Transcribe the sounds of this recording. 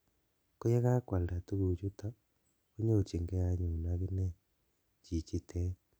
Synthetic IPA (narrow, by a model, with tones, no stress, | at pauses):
ko˦ja˦ɣa˦kwa˨lda˨tu˦ɣu˨t͡ʃu˦ta˦ | o˦ɲe˦o˨t͡ʃe˨ŋɡɛ˦ja˦ɲo˨na˨ɣe˦nɛ˦ | t͡ʃi˨t͡ʃi˨tʰɛ˦